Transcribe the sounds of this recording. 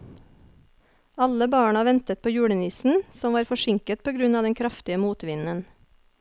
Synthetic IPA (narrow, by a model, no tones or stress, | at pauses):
ɑləbɑːɳɑʋɛnt̪ət̪̚pʰoːjuːɽənɪsn̩sɔmʋɑːɾfɔʃɪŋkət̪̚pʰoːɡɾʉnɑːd̪ɛŋkʰɾɑft̪ɪəmuːt̪ʋɪnən